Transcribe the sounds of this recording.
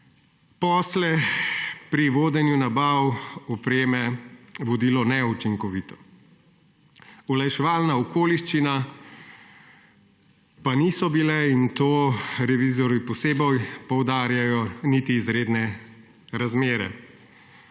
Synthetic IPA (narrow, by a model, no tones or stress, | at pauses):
pɔːslɛ | pɾiʋoːd̪ɛnjunabawɔpɾeːmɛʋɔd̪ilɔnɛut͡ʃiŋkɔʋit̪ɔ̥ | ulajʃɛʋaːlnaɔkoːliʃt͡ʃina | panisɔbilɛint̪oːɾɛʋizɔɾʋipɔseːbɔjpɔwd̪aːɾjajɔnit̪iːzɾeːd̪nɛ | ɾazmeːɾɛ̰